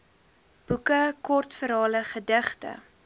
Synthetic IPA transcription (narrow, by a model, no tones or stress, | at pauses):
b̥ukəkɔrtfəɾɑːləχədəχtə̰